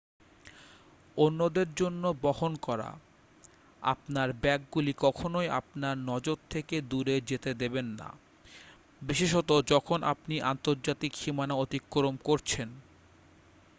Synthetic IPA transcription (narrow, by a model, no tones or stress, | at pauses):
onːod̪eɾd͡ʑonːobɔhonkɔɾa̰ | a̰pnaɾbɛk̚ɡulikɔkʰonoja̰pnaɾnɔd͡ʑoɾt̪ʰːeked̪uɾed͡ʑet̪ed̪ebenːa̰ | biʃeʃɔt̪od͡ʑɔkʰonʔa̰pniʔa̰nt̪oɾd͡ʑat̪ikʃimanaot̪ikːoɾomkoɾt͡ɕʰen